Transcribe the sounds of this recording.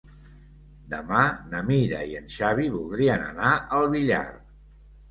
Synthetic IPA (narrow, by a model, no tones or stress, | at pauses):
d̪əmanəmiɾə̰iənʃaβiβulˠd̪ɾiənə̰naʔəlˠβiʎa̰r